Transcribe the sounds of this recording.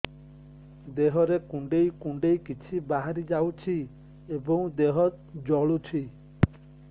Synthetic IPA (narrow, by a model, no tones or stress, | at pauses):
d̪eɦɔɾekuɳɖejkũɳɖejkit͡ʃʰibaɦaɾid͡ʒawt͡ʃʰi | ebɔŋd̪eɦɔt̪̚d͡ʒɔɭut͡ʃʰi